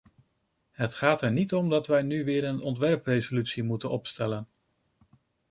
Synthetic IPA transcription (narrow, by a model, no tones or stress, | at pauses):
ɦətχaːtɛɹnitɔmdɑtʋɛjnyʋɪːɾənɔntʋɛɹprejzolytsimutənɔpstɛlən